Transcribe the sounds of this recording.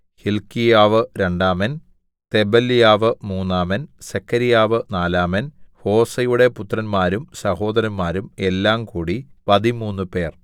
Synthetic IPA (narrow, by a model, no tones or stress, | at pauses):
hilkijaːʋɨɾe̞ɳɖaːmɐn | t̪e̞bɐlːijaːʋɨmuːnːaːmɐnsekʰːɐɾijaːʋɨnaːlaːmɐnho̞ːsɐjuɽe̞put̪ːrɐnmaːɾumsɐho̞ːd̪ɐɾɐnmaːɾume̞lːaːmkuːɽipɐðimuːnːɨpe̞ːr